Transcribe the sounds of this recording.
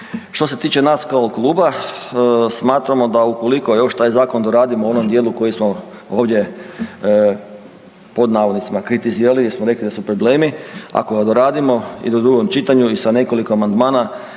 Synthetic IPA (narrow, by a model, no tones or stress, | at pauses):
ʃt̪o̞se̞t̪iːt͡ʃenaːskooklˠuːba | smaːt̪ɾamo̞d̪aukoliko̞jo̞ʃt̪aːjzaːko̞nd̪oɾaːd̪imoo̞nomd̪je̞ːluko̞jismoo̞ːʋd̪ʲje̞ | po̞d̪naːʋod̪nit̪simakɾit̪iziːɾalijeɾsmoɾe̞klid̪asupɾoble̞ːmia̰ko̞ɡad̪oɾaːd̪imo̞ḭd̪od̪ɾuɡomt͡ʃit̪aɲuisane̞ko̞likoamand̪maːna